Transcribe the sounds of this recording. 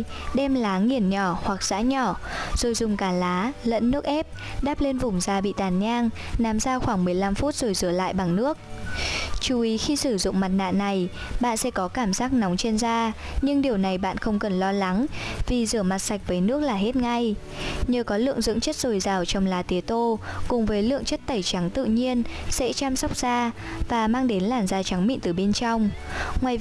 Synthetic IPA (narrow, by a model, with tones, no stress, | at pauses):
ɗɛ˧mlaː˨˦ŋi˨˩ənɲɔ˧˩hwa˨˩k̚z̥a̰ː˧˥ɲɔ˧˩ | z̥o˨˩jzʊ˨˩ŋ͡mkaː˨˩laː˨˦lə̰˧˥nːɨ˦˥ək̚ʔɛ˦˥p̚ | ɗaː˦˥p̚le˧nvʊ˨˩ŋ͡mzaː˧˩ɓḭ˧˨t̪aː˧˩nɲaː˧ŋ | na˨˦mzaː˧xwaː˧˩ŋmɨ˨˩əjla˧mfu˦˥t̚z̥o˨˩jzɨ˧˩əla̰ː˧˨jɓa˨˩ŋnɨ˦˥ək̚ | t͡ɕu˨˩ʔi˨˦xi˧sɨ˧˩zʊ̰˧˨ŋ͡mma˨˩t̚na̰ː˧˨na˨˩j | ɓa̰ː˧˨nsɛ̰˧˥kɔ˨˦kaː˧˩mzaː˦˥k̚na˨˦wŋ͡mt͡ɕe˧nzaː˧ | ɲɨ˧ŋɗi˨˩əwna˨˩jɓa̰ː˧˨nxə˧wŋ͡mkə˨˩nlɔ˧la˨˦ŋvi˨˩zɨ˧˩əma˨˩t̚sa˨˩jk̟̚vəː˨˦jnɨ˦˥ək̚laː˨˩ɦe˦˥t̚ŋa˧j | ɲəː˨˩kɔ˨˦lɨ̰˧˨əŋzɨ̰˧˥ŋt͡ɕə˦˥t̚z̥o˨˩jzaː˨˩wt͡ɕɔ˧wŋ͡mlaː˨˦t̪i˨˦t̪o˧kʊ˨˩ŋ͡mvəː˨˦jlɨ̰˧˨əŋt͡ɕə˦˥t̚t̪ə˧˩jt͡ɕa˨˦ŋt̪ɨ̰˧˨ɲi˧ənsɛ̰˧˥t͡ɕaː˧msa˦˥k͡p̚z̥aː˧ | vaː˨˩maː˧ŋɗe˨˦nlaː˨˩nzaː˧t͡ɕa˨˦ŋmḭ˧˨t̪ɨ˨˩ɓe˧nt͡ɕa˧wŋ͡m | ŋwaː˨˩j